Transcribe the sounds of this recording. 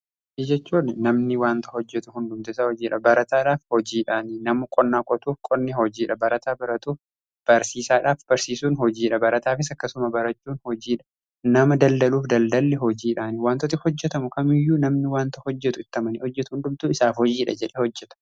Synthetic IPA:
id͡ʒɛt͡ʃːuːnnɐmnɪwaːnt̪ɐhɔd͡ʒːɛt̪ʊɦʊnd̪ʊmt̪ʊɪsahɔd͡ʒiːᶑɐbɐɾɐt̪aːᶑaːfhɔd͡ʒiːᶑaːninɐmʊkʼɔnːaːkʼɔt̪uːfkʼɔnːɪhɔd͡ʒiːᶑɐbɐɾɐt̪aːbɐɾɐt̪uːf | b̥ɐɾsiːsaːᶑaːfb̥ɐɾsiːsuːnɦɔd͡ʒiːᶑɐbɐɾɐt̪aːfɪsɐkːɐsʊmɐbɐɾɐt͡ʃːuːnhɔd͡ʒiːᶑɐ | nɐmɐd̪ɐld̪ɐluːfd̪ɐld̪ɐlːɛɦɔd͡ʒiːᶑaːnɪwaːnt̪ɔt̪ɪfhɔd͡ʒːɛt̪ɐmʊkɐmɪjːuːnɐmnɪwaːnt̪ɐhɔd͡ʒːɛt̪ʊɪt̪ːɐmɐnɪhɔd͡ʒːɛt̪ʊhʊnd̪ʊmt̪uːɪsaːfhɔd͡ʒiːᶑɐ̰d͡ʒɛᶑɛhɔd͡ʒːɛt̪ɐ̥

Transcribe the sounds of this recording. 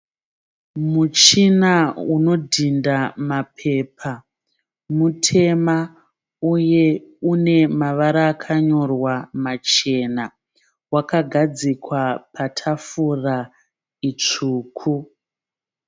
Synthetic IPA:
mut͡ʃinauno̞dʱindamapʰe̞pʰa | mutʰe̞ma | uje̞une̞maʋaɾaːkʰaɲo̞rwamat͡ʃe̞na | wakaɡʱad͡zikwapʰatʰafura | it͡ʂuːkʰu

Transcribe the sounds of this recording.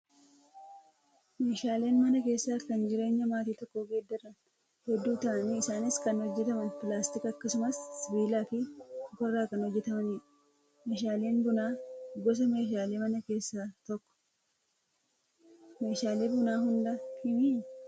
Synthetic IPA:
me̞ːʃaːle̞ːnmɐnɐke̞ːsːaːkɐnd͡ʒɪɾe̞ːɲːɐmaːt̪iːt̪ɔkːoːɡeːd̪ːɐrːɐn | hɛd̪ːuːt̪ɐʔɐniːɪsaːnɪskɐnhɔd͡ʒːɛt̪ɐmɐnpɪlaːst̪ɪkɐkːɐsʊmɐsːɪbiːlaːfɪkɔrːaːkɐnɔd͡ʒːɛt̪ɐmɐniːɾɐ | meːʃ̬aːle̞ːnbʊnaːɡɔs̬ɐme̞ːʃ̬aːle̞ːmɐnɐke̞ːsːaːt̪ɔkːɔ̥ | me̞ːʃaːle̞ːbʊnaːhʊnd̪ɐkʰɪmiː

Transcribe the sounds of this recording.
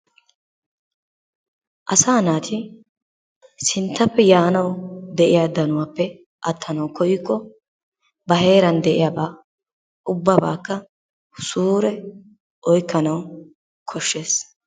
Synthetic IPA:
ʔɐsaːnaːt̪ʰɪ | sɪnt̪ːɐpːɛjaːnɐwd̪ɛʔɪjaːd̪ɐnʊwaːpːɛ | ʔɐt̪ʰːɐnɐwkʰɔjikːɔ | bɐɦe̞ːɾɐnd̪ɛʔɪjaːbaː | ʔʊbːɐba̰ːkːɐ | suːɾɛ | ʔɔjkːɐnɐw | kʰɔʃːe̞ːs

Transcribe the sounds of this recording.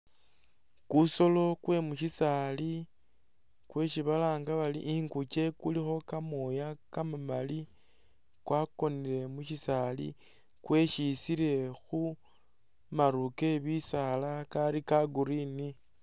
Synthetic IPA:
kuso̞lo̞kwe̞muʃisali | kwe̞ʃiβalaːŋɡaβalḭʔiŋkut͡ʃe̞kulixo̞kamojakamamali | kwako̞niɾe̞muʃisalḭ | kwe̞ʃisiɾe̞xu | maɾuke̞βisalakaɾikaɡuɾini

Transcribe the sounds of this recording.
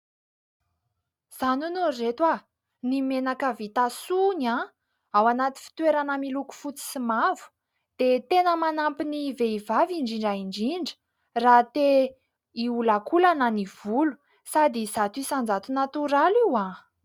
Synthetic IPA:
z̥anunoret̪wa | nimenakəvit̪asuna | awanat̪i̥fi̥t̪weɾanəmiluku̥fut͡si̥simavu̥ | d̪̥et̪enəmanampiniveivaviɳɖ͡ʐiɳɖ͡ʐaiɳɖ͡ʐiɳɖ͡ʐə̥ | rat̪e | iulakulanəniv̥ulu̥ | sad̪izat̪uisand͡zat̪unat̪uɾaliwa

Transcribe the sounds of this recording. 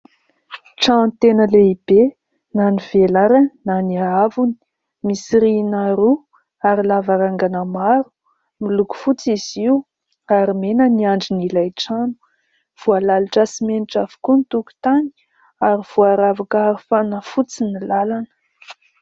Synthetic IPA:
ʈ͡ʂant̪enəleib̥e | naniv̥elaɾaninaniaavuni̥ | misiɾinaɾu | aɾilavaɾaŋɡanəmaɾu̥ | miluku̥fut͡siziwu | aɾimenəniaɳɖ͡ʐinilajʈ͡ʂanu̥ | v̥ualaliʈ͡ʂasimeniʈ͡ʂavu̥kunit̪uku̥t̪ani̥ | aɾiv̥uaɾavakəaɾufanəfut͡sinilalanə̥

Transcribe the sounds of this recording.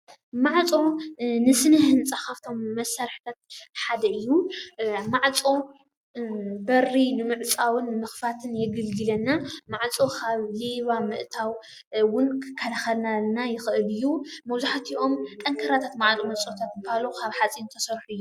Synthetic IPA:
maʕt͡sʼo̞nɨsɨnɨhɨnt͡sʼaxaft̪ʰo̞mːɐsːaɾħi̥t̪ʰat̪ħad̪ɐɨjːu | maʕt͡sʼo̞ | bɐrinɨmɨʕt͡sʼawɨnːɨmɨxfat̪ʰɨnjɛɡɨlɡɨlɐnːamaʕt͡sʼokʰaβliβamɨʔt̪ʰaw | wʊnkʰɐlaxɐlnanajɪxɨʔɨlɨjːumɐwzuħat̪ʰiʔo̞mt̪ʼɐŋkʰɐɾat̪ʰat̪maʕt͡sʼomɐt͡sʼot̪ʰat̪̚mɨbalokʰaβħat͡sʼint̪ʰɐsɐɾħuɨjːu

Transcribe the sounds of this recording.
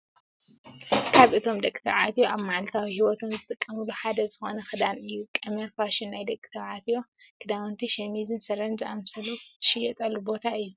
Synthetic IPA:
kʰaβʔɨt̪ʰo̞md̪ɐkʼit̪ʰɐβʕat̪ʰjoaβmaʕlt̪ʰawihiwɔt̪ʰonzɨt̪ʼɨkʼːɐmɨluħad̪ɐzɨxo̞nɐxɨd̪anɨjːukʼɐmɐɾfaʃɪnːajd̪ɐkʼːi̥t̪ʰɐβʕat̪ʰijo̞ | kʰɨd̪awnt̪ʰiʃɐmizɨnsɐɾɐnd͡ʒʔamsɐlut̪ʰɨ̥ʃɪjɛt̪ʼɐlːubo̞t̪ʰaɨjːu

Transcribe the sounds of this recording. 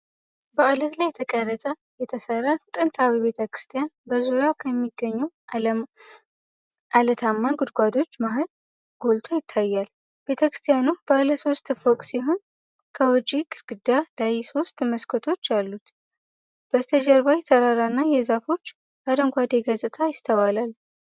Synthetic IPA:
bəalət̪lajɛt̪ʰəkʼəɾət̪ʼə | jɛt̪ʰəsərːat̪ʼɨnt̪ʰawiβe̞t̪ʰəkɾɨ̥st̪ʰijanbəzuɾjawkʰəmːiɡːəɲːu | ʔalət̪ʰamːaɡud̪ɡʷad̪o̞t͡ʃːmaɦəl | ɡ̥o̞lt̪ʰojɪt̪ʰːajːal | b̥e̞t̪ʰəkɾɨ̥st̪ʰijanub̥aləso̞st̪fokʼsiɦo̞n | kʰəwɔd͡ʒʼiɡɨɾɡɨd̪ad̪̥ajiso̞st̪ʼməskʰət̪ʰo̞t͡ʃːalːut̪ | b̥əzt̪ʰəd͡ʒɛɾβajɛt̪ʰəɾaɾanːajɛzafo̞t͡ʃː | ad̪əŋɡʷad̪eɡəzʼɨt̪ʰajɪst̪ʰəβalal

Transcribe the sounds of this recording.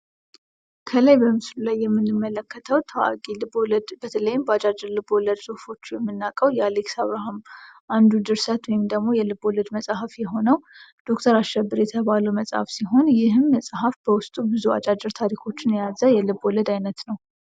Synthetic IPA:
kʰələjbəmɨslulajːɛmːɨnːɨmːələkːət̪ʰəwt̪ʰəwa̰ɡʼilɨboləd̪bət̪ʰələjːɪmbəat͡ʃʼad͡ʒɨɾlɨboləd̪sʼohfo̞t͡ʃːujɛmːɨnːakʼəwjɛaleksaβɾaɦamʔand̪ud̪ɨɾsat̪wɔjɪmd̪əɡmo̞jɛlɨboləd̪məsʼahafjɛɦo̞nəwd̪̥o̞kt̪ʰəɾaʃɛbːɨɾjɛt̪ʰəβaluməsʼha̰fsiɦo̞njɪɦɨmːəsʼɦafbəwʊst̪ʼubɨzua̰t͡ʃʼad͡ʒɨɾt̪ʰaɾikʰo̞t͡ʃːɪnjazəjɛlɨboləd̪ajnət̪nəw

